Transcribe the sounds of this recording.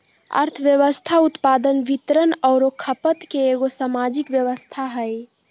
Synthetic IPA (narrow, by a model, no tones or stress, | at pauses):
ə̰ɾt̪ʰəʋjəʋəst̪ʰaut̪pad̪ənbit̪ɾənəʊɾokʰəpət̪keːɡosamad͡ʒikʋjəʋəst̪ʰaɦəj